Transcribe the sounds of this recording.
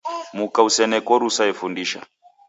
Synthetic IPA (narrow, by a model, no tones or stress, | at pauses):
mukausɛnɛkɔɾusaɛfundiʃa